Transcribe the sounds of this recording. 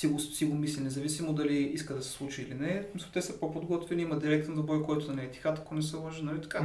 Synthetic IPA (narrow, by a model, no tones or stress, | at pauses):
siɡossiɡomislʲinɛzɐvisimod̪ɐliiskəd̪ɐsɛ̥slˠut͡ʃiːlinɛsmislˠt̪ɛsəpopod̪ɡɔt̪vɛniimɐd̪iɾɛk̚t̪nzɐbɾɔjkɔjt̪ʊnɐnɛːt̪i̥xat̪ɐkonɛsɛlˠoʒinɐlit̪ɐ̥ka